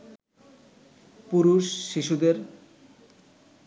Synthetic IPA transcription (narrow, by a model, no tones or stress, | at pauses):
puɾuʃːiʃud̪eɾ